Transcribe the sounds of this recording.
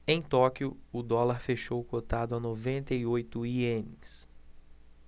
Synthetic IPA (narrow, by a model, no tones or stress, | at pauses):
ẽj̃t̪ɔkiʊʊd̪ɔlaɾfeʃowkot̪ad̪ʊanovẽnt̪ɐiojt̪ʊiẽnɪs